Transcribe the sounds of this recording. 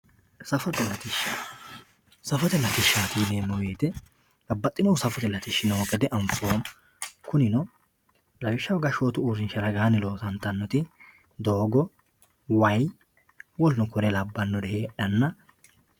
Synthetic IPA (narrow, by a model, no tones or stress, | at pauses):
sɐfɔt̪ɛlɐt̪ɪʃa | sɐfɔt̪ɛlɐt̪ɪʃːaːt̪iːleːmːɔweːt̪ɛ | lɐbːɐt̪ʼːɪnɔwsɐfɔt̪ɛlɐt̪ɪʃːɪnoːkʼɛd̪ɛʔɐɱfoːm | kʊnɪnɔ | lɐwɪʃːɐwɡɐʃoːt̪ʊuːɾɪnʃɐɾɐɡaːnɪlo̞ːsɐnt̪ɐnːɔt̪ɪ | d̪oːɡɔ | wɐj | wɔlnʊkɔɾɛlɐbːɐnːɔd̪ɛheːᶑɐnːɐ